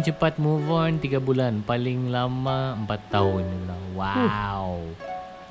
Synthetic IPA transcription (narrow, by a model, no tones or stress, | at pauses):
t͡ʃəpat̪̚muvɔnt̪iɡabulanpalɪŋlamaəmpat̪ːaɦʊnlaŋwaw